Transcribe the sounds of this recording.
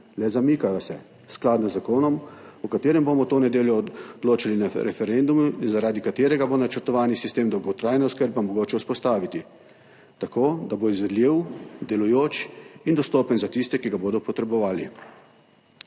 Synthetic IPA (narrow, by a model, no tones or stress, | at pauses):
lɛzamiːkajasɛ | sklaːd̪nazzakoːnɔmukat̪eːɾɛmbomɔt̪oːnɛd̪eːljɔd̪̥loːt͡ʃalinaɾɛfɛɾɛnd̪umuzaɾaːd̪ikat̪eːɾɛɡabonat͡ʃəɾt̪ɔʋaːnisist̪eːmd̪ɔwɡɔt̪ɾaːjnauskəɾbamɔɡoːt͡ʃɛuspɔst̪aːʋit̪i | t̪akoːd̪aboizʋɛd̪lʲiwd̪ɛlujoːt͡ʃind̪ɔst̪oːpənzat̪ist̪ɛkiɡaboːd̪ɔpɔt̪ɾɛbɔʋaːli